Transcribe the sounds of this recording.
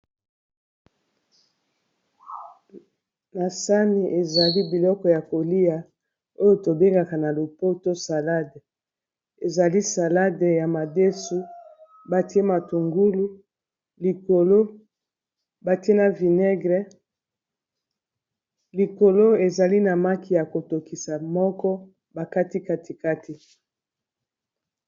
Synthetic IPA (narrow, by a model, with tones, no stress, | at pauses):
na˨sa˦ni˨ʔe˨za˨li˦bi˨lɔ˦kɔ˨ja˨ko˨li˦ja˨ | o˦jo˨to˨be˦ŋɡa˨ka˨na˨lo˨po˦to˦sa˨la˦de˨ | e˨za˨li˦sa˨la˦de˨ja˨ma˨de˦su˦ | ba˨ti˦e˦ma˨tu˨ŋɡu˦lu˦ | li˨ko˨lo˦ | ba˨ti˦e˦na˨vi˨ne˦ɡʁe˦ | li˨ko˨lo˦e˨za˨li˦na˨ma˦ki˨ja˨ko˨to˨ki˨sa˨mɔ˦kɔ˦ | ba˨ka˦ti˦ka˦ti˨ka˦tʰi˨˦